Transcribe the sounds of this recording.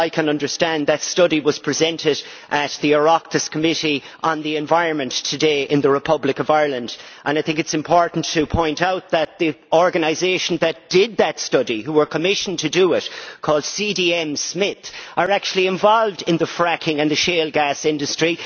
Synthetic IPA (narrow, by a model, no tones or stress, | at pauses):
aɪkʰə̃nʌ̃ndə˞stæ̃nðətstʌɾiwʌz̥pʰɹ̥ɨzɛ̃ntɪɾ | ʔət̪̚ðiə˞ɑk̚tɨskʰəmɪɾi | ʔə̃nðiɨ̃ɱvaɪɹə̃nmə̃ntʰɨdeɪʔɪ̃nðəɹɨpʰʌblɪkʌvaɪɹlə̃ndʔə̃naɪθɪ̃ŋkɨtsɨ̃mpʰɔɹʔn̩tʰəpʰɔ̃ɪ̃ntaʊt̪̚ðət̪̚ði | ɔɹɡənaɪzeɪʃn̩ðɨt̚d̥ɪd̪̚ðətstʌɾiɦuwə˞kʰəmɪʃə̃n̩tʰɨdəɪt̚kʰɔːlˠd̥sidiɛ̃msmɪθʔə˞æk̚t͡ʃul̩ˠiɪ̃ɱvɔlˠvdɪ̃nðəfɹækʰɪ̃ŋə̃nðɨʃeːlˠɡæsɪ̃ndɨstɹ̥i